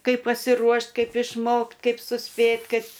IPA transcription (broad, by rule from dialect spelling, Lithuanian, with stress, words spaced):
ˈkɐɪp pɐsʲɪˈruɔʃʲtʲ ˈkɐɪp ɪʃˈmoːktʲ ˈkɐɪp sʊˈsʲpʲeːtʲ ˈkɐɪp